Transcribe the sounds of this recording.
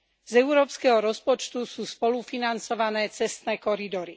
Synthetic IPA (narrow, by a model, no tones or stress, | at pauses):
zɛʊɾɔːpskɛɦɔɾɔspɔt͡ʃt̪usuːspɔlufinant͡sɔʋanɛːt͡sɛst̪nɛːkɔɾid̪ɔɾi